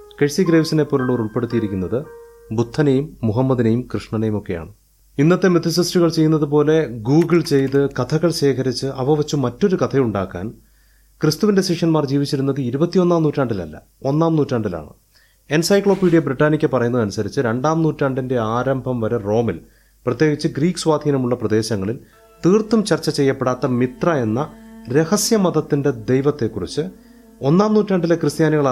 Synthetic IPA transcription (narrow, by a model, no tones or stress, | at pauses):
keɻsiɡɾeːʋsinepːoːluɭːoːruɭpe̞ɽut̪ːijiɾikʲːunːɐðɨ | but̪ʰːɐnejumːuɦɐmːɐðinɐjumkrɨʂɳɐnɐjumo̞kːe̞ja̰ːɳɨ | inːɐt̪ːe̞met̪ʰːisɐstuɣɐɭt͡ɕe̞jːunːɐðupo̞ːle̞ɡuːɡiɭt͡ɕe̞jt̪̬ɨkɐt̪ʰɐɣɐɭɕe̞ːkʰɐɾit͡ɕːɨʔɐʋɐʋɐt͡ɕːumɐtːo̞ɾukɐt̪ʰɐjuɳɖaːkːa̰ːn | krɨst̪uʋinde̞siʂɐnmaːrd͡ʑiːʋit͡ɕːiɾunːɐðɨiɾubɐt̪ːijo̞nːaːmnuːtːaːɳɖilɐ̰lːɐ̰ | o̞nːaːmnuːtːaːɳɖila̰ːɳɨ̰ | e̞nsɐjkɭo̞ːpiːɽijɐbriʈːaːnikʲːɨpːɐrɐjunːɐðɐnusɐɾit͡ɕːɨɾe̞ɳɖaːmnuːtːaːɳɖinde̞aːɾɐmbʱɐmʋɐɾero̞ːmil | prɐt̪jeːɡit͡ɕːɨɡriːkːɨ̥sʋaːd̪ʱiːnɐmuɭːɐprɐd̪e̞ːɕɐŋːɐɭil | t̪iːrt̪ːumt͡ɕɐrt͡ɕːɐt͡ɕe̞jːɐpːe̞ɽaːt̪ːɐmit̪rɐe̞nːɐɾe̞hɐsjɐmɐðɐt̪ːinde̞d̪ejʋɐt̪ːe̞kːurḭt͡ɕːɨ | o̞nːaːmnuːtːaːɳɖilekrɨst̪jaːniɣɐɭ